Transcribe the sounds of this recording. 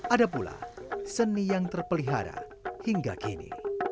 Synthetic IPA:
ʔadapula̰sənːijaŋt̪ərpəliɦa̰ɾa̰ | hiŋɡakinḭ

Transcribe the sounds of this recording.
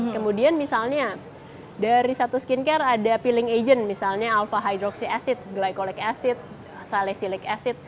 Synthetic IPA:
kəmudianmisalɲa | daɾisat̪uskinkɛradapilɪŋed͡ʒənmisalɲaːlfaɦajd̪ɾɔksiasɪt̪̚ɡlajkolɛkasɪt̪̚ | salɛhsilɪkasɪt̪̚

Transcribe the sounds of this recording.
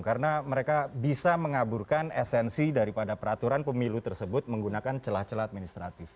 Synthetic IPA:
kaɾənaməɾekabisaməŋaburkanɛsɛnsidaɾipadapəɾat̪uɾanpəmilut̪ərsəbʊt̪̚məŋɡunakant͡ʃəlaht͡ʃəlaat̪̚minist̪ɾat̪ɪf

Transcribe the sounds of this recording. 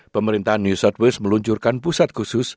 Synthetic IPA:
pəməɾint̪aɦanːjusɔt̪̚wɛsməluɲt͡ʃurkanpusat̪̚kusʊs

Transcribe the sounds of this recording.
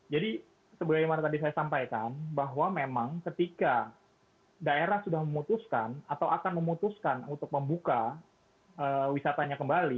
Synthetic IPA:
d͡ʒadi | səbəlajmanat̪adisajasampajkanbaɦwamemaŋkət̪ika | daeɾahsudahməmut̪uskanat̪awakanməmut̪uskanunt̪ʊk̚məmbuka | əwisat̪aɲakəmbali

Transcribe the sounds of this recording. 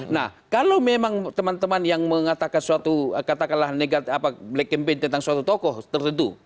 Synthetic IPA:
nahkalawmemaŋt̪əmant̪əmanjaŋməŋat̪akansuat̪uəkat̪akanlahneɡat̪apablɛk̚ːəmpɛnt̪ənt̪aŋsuat̪ut̪ɔkɔht̪ərənt̪u

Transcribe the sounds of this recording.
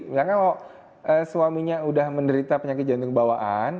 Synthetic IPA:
jakanɔ | ʔəsuamiɲaudahməndəɾit̪apəɲakɪt̪̚ɡant̪ʊŋkəbawaʔan

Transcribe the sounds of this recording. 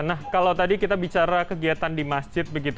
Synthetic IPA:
nahkalawt̪adikit̪abit͡ʃaɾakəɡiat̪andimasd͡ʒɪt̪̚bəɡit̪

